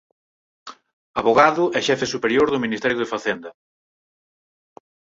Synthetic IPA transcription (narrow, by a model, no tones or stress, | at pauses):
aβoɣaðʊɛʃɛfesupeɾjoɾðʊminist̪ɛɾjʊðefaθɛnd̪ɐ